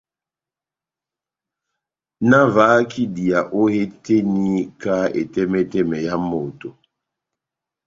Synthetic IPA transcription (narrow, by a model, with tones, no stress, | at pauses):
na˦vaː˨˦kʰi˦di˨a˨ʔo˦he˦te˦ni˦ka˦ḛ˨tɛ˦mɛ˦tɛ˦mɛ˨ja˦mo˨to˨